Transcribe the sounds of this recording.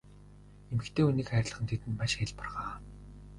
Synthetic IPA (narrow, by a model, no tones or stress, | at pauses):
emɘ̆kt̪ʰeːuniːkχæɾ̆ʲɮə̆χə̆nt̪ʰet̪ɘ̆nmaʃæɪ̆ɮpɔrʁaː